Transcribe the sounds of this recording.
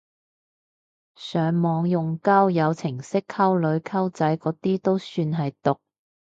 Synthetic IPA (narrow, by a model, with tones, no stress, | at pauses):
sœː˨˧ŋmɔː˨˧ŋjʊ˨ŋkɐ˥wjɐ˨˧wt͡sʰɪ˨˩ŋsɪ˥kʰːɐ˥wlɵ˨˧ɥkʰɐ˥wt͡sɐ˨˥jkɔː˨˥t̪iː˥t̪o˥wsyː˧nɦɐ˨jt̪ʊ˨k̚